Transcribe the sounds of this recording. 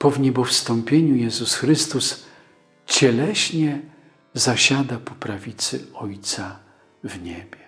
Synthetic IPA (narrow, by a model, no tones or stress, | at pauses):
pɔvɲɛbɔfst̪ɔmpʲjeɲujɛzusxɾɘst̪us | t͡ɕɛlɛɕɲɛ | zaɕad̪apɔpɾavʲit̪sɘ̰ɔjt̪sa | vɲɛbʲjɛ